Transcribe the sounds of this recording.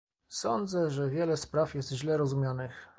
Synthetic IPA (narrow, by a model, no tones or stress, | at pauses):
sɔnd̪zɛʐɛvʲjɛlɛspɾafjɛst̪ʑlɛɾɔzumʲjanɘx